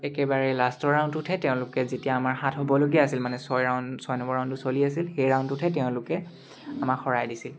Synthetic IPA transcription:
ɛkɛbaɹɛlastɔɹaʊntʊtʰɛtɛʊ̃lʊkɛzetijaːmaɹhatʰɦobɔloɡiaasilmanɛsɔjɹaʊnsɔjnɔbɔɹaw̃ntʊsoliasilxejɹaʊntʊtʰɛtɛʊ̃lʊkɛ | amakxɔɹajdisil

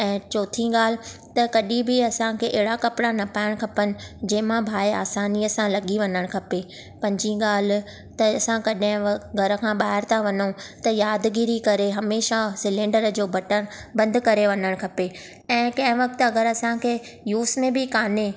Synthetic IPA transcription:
ɛ̃ːt͡ɕoːt̪ʰĩɠaːl̤ɪ̆t̪ɐkɐɗĩbɪɐsãkʰeʔɪɦɪɽakɐpɽanɐpaːɪɽ̃kʰɐpənɪ̆d͡ʑɛ̃ːɦmãbʱaːeaːsaːniɐsãlɐɠiʋɐɲəɽ̃kʰɐpe | pɐ̃ɲd͡ʑĩɠaːl̤ɪ̆ | t̪ɐɐsãkɐɗɦɪ̃ɡʱɐɾəkʰãːɓaːɦɪɾt̪ʰaʋɐnot̪ɐjaːd̪ɡiɾikɐɾeɦɐmeːʃasɪlẽːɳɖəɾd͡ʑoːbɐʈəɽ̃bɐ̃nd̪kɐɾeʋɐɲəɽ̃kʰɐpe | ɛ̃ːkɐ̃ɦɪ̃ʋɐk̚t̪ʊɐɡəɾɐsãkʰeː | juːsmẽbʱɪkaːne

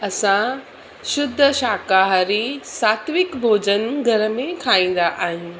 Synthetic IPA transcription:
ɐsã | ʃʊd̪ʱːəʃaːkaːɦɾisaːt̪ʋɪkbʱoːd͡ʑənɡʱɐɾəmẽkʰaːĩːn̆d̪aʔaːɦĩː

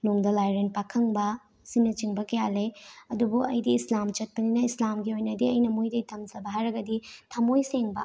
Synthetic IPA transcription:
nuŋdɐlajɾen̚pakʰɐŋbɐ | simnːɐt͡ʃiŋbɐkɐjaleɐdubuɐjdiːslamt͡ʃɐt̚pɐninɐislamɡiojnɐdiɐjnɐmojdɐjtʰɐmzɐbɐɦajɾɐɡɐditʰɐmojseŋbɐ

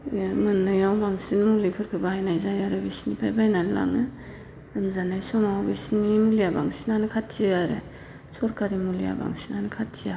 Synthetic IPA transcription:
mɯnɯjawbaŋsinmulipʰɯɾkʰɯbaajnajzajaɾɯbisnipʰajbajnanla̰ŋɯ | ɯmzanajsɔmawbisnimulijaba̰ŋsinanɯkʰat̚t͡ʃiaɾɯ̰ | sɔɾkaɾimulija̰ba̰ŋsinanɯkʰat̚t͡ʃia

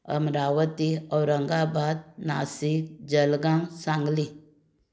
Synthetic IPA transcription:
ə̰mɾaːwət̪iɔɾəŋɡabaːd̪̚na̰ːsik̚d͡ʒəlɡãŋsãːŋɡli

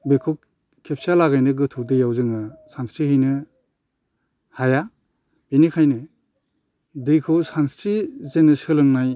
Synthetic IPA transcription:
bekʰɔ | kʰep̚salaɡajnɯɡɯtʰudɯjawzɯŋɯsanstɾiɦɯjnɯ | haja | b̥inikʰajnɯ | dɯjkʰɔsanstɾizenɯsɯlɯŋnaj

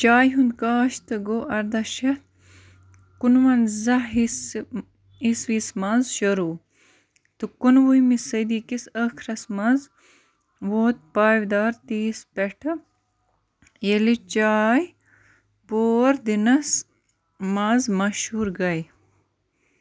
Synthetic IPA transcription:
t͡ʃaːjɦund̪kaːʃt̪ɐɡoːʔɐɾd̪ɐʃɐt̪ | kunwɐnzɐɦis | iswismazʃɐɾuː | t̪ukunwujmisɐjd̪iːkisɐkʰɾɐsmɐz | woːt̪̚paːwd̪aːɾt̪iːspeʈʰɐ | jelit͡ʃaːj | boːɾd̪inɐs | mazmɐʃuːɾɡɐj

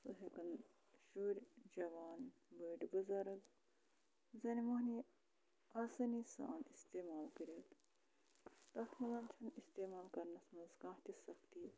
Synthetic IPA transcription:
sɨɦekɐn | ʃuːɾʲd͡ʒɐʋaːnbəːʈbɨzɐɾɐk | zɐnimɐɦniː | ɐːsɐniːsa̰ːnist̪eːmaːlkɐɾʲeːt̪ | t̪ɐt̪ʰmɐlɐnt͡ʃʰɐnist̪eːmaːlkɐɾnɐsmɐzkãːt̪isɐkt̪iː

